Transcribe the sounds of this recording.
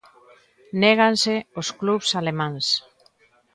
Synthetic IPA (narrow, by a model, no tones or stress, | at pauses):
neɣ̞anseoskluβsalemãns